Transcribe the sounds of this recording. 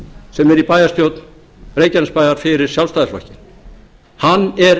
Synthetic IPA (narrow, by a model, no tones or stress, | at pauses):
sɛmɛɾipaːjast̪jowt̪n | reːjcanspajðaɾ̥fɪɾɪɾ̥sjalvst̪ajðɛsva̰cɪn | hanːɛɾ